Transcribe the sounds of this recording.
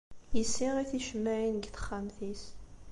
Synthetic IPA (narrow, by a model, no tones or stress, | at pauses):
jəsːiʁiθiʃmːæʕinəɡθə̥χːamθis